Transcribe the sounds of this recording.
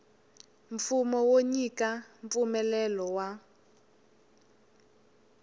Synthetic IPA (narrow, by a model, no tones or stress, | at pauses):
ɱfumɔwoɲikʼaɱp̪fumɛlɛlɔwa